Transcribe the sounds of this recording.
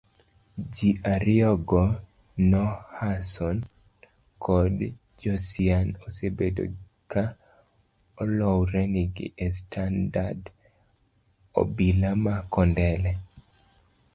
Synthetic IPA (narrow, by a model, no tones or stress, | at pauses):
d͡ʒiʔaɾɪɔɡɔ | nɔhasɔn | kʰɔd | d͡ʒɔsianosebedo̰ | ka | ɔlɔwɾɛniɡɪ̰ʔestʰandad | o̰bilamakɔndɛlɛ